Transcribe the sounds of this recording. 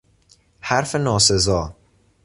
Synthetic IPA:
hæɾfenɒːsezɒː

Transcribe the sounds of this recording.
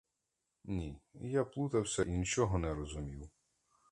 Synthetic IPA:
nʲijaplˠut̪ɐwsʲɐʔinʲit͡ʃɔɦɔnɛɾɔzʊmʲiw

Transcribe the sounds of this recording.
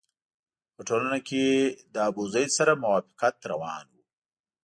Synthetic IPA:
pəʈolanaked̪əabuzajd̪saɾamʊwɑːfɪ̥qat̪ɾawɑ̰ːnwu

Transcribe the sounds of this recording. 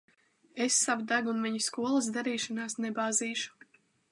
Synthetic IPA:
esːavud̪aɡunmiɲiskuɔlˠɐs̬d̪aɾiːʃanaːsnebaːziːʃu̥

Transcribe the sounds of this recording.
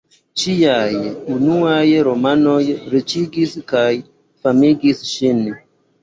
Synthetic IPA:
t͡ʃijajunuajɾomanojɾit͡ʃiɡiskaj | famiɡisʃin

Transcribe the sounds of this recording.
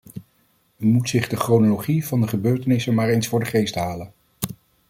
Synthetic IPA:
ymutsɪχdəχrownoloχiv̥ɑndəχəbøːɹtənɪsənmaːɹejnsfʊːɹdəχejstɦaːlən

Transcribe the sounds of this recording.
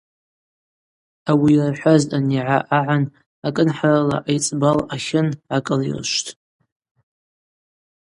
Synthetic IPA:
awirħʷaztʼaniʕaʔaʕan | akʼɨnħarala̰ʔajt͡sʼbalaχʲɪnʕakʼɨlḭrʃʷtʰʼ

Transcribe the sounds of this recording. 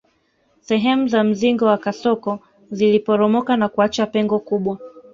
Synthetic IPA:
sɛɦɛmuzam̩ziŋɡɔwakasɔkɔ | zilipɔɾɔmɔkanakuat͡ʃapɛŋɡɔkuɓwa

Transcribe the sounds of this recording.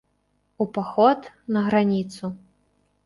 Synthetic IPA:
upaxɔt̪ | nɐɣɾanʲit̪su

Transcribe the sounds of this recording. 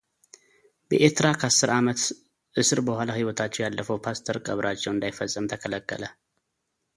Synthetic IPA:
bəʔeɾt̪ʰɾakʰəasːɨɾʔamət̪ | ʔɨsɨɾbəhʷalahiwɔt̪ʰat͡ʃːɛwjalːəfəwpʰast̪ʰəɾkʼəβɾʔat͡ʃːɛwɨnd̪ajfəsʼːɨmt̪ʰəkʰələkːə̰lə

